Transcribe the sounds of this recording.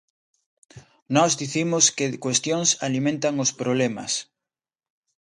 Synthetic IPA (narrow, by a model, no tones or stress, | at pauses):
nɔzðiθimʊskɪkwest̪joŋsalimẽnt̪aŋʊspɾoβlemɐ̰s